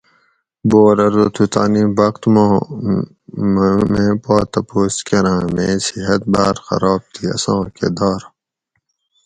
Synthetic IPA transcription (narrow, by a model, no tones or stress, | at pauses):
boːɾɐɾot̪ʰut̪aːnibɐqt̪m | mẽːpaːt̪ɐpoːskeɾãːmẽːsiɦɐt̪̚baːɾxɐ̰ɾaːb̚t̪ʰiːɐ̰sõːkḛd̪aːɾ